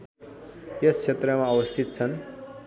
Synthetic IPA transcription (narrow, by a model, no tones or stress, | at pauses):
jʌst͡sʰet̪rʌmaʌwʌst̪ʰit̪̚t͡sʰʌn